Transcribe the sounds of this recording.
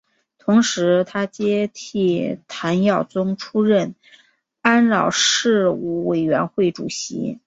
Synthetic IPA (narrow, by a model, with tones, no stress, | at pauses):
t̪ʰʊ˧˥ŋʂɻ̩˧˥t̪ʰa˥t͡ɕjɛ˥t̪ʰi˥˩t̪ʰa˧˥njɑ˥˩ʊt͡sʊ˥ŋʈ͡ʂʰu˥ɻə˥˩n | a˥nɻɑ˨˩ʊʂɻ̩˥˧u˥˩we˨˩ɪɥɛ˧˥nxwe˥˩ɪʈ͡ʂu˨˩ɕḭ˧˥